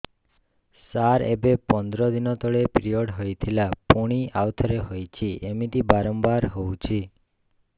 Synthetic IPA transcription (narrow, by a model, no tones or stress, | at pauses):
saɾḛbepɔnd̪ɾɔd̪inɔt̪ɔɭepɾijɔɽɦojt̪ʰilapuɽ̃iawt̪ʰɔɾeɦojt͡ʃʰiʔemit̪ibaɾɔmbaɾɦowt͡ʃʰi